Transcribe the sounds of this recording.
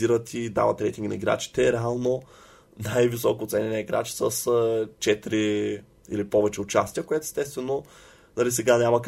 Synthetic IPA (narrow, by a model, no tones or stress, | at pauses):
iɾət̪id̪a̰vət̪ɾɛjt̪iŋɡnɐ̰iɡɾa̰t͡ʃi̥t̪ɛɾɛalˠno | najvisɔkoːt̪sɛnʲɛnəiɡɾa̰t͡ʃi̥səst͡ʃɛt̪ɾi | ḭlipɔvɛt͡ʃɛʊt͡ʃast̪ijəkoɛt̪ʊɛst̪ɛst̪vɛno | nɐlisɛɡanʲamɐk